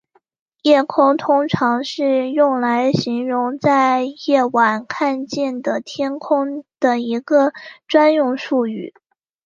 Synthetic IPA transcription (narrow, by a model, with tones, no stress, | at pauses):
jɛ˥˩kʰʊ˥ŋt̪ʰʊ˥ŋʈ͡ʂʰɑ˧˥ŋʂɻ̩˥˧jʊ˥˩ŋla˧˥ɪɕi˧˥ŋɻʊ˧˥ŋt͡sa˥˧ɪjɛ˥˩wa˨˩nkʰa˥˧nt͡ɕjɛ˥˩nd̪ə˩t̪ʰjɛ˥nkʰʊ˥ŋd̪̥ə˨˩i˧˥ɡə˧ʈ͡ʂwa˥njʊ˥˧ŋʂu˥˧y˥˩